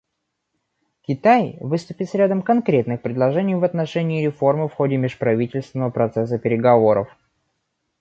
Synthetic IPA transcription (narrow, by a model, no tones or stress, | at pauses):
kʲɪt̪ajvɨst̪ʊpʲɪt̪sɾʲad̪əmkɐnkɾʲe̞t̪nɨxpɾʲɪd̪lˠɐʐɛnʲɪjvɐt̪nɐʂɛnʲɪːɾʲɪfo̞rmɨfxo̞dʲɪmʲɪʂpɾɐvʲitʲɪlʲst̪vʲɪnəvəpɾɐt̪sɛs̬əpʲɪɾʲɪɡɐvo̞ɾə̰f